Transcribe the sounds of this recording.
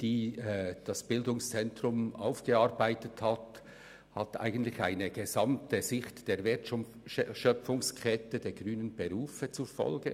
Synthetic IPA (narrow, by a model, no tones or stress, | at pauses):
d̥iːɛd̥ɑsb̥ɪldʊŋst͡sɛntrʊma̰ʊfɡ̥əɑɾbaɪtəthɑt | hɑtʔa̰ɪɡən̩tlɪça̰ɪnəɡ̥ezɑmtəzɪxtd̥eːɾvɪt | ʃœfʊŋskʰʁɛtədeːɡʁyːnənbeʁuːfət͡sufɔ̰lɡə̰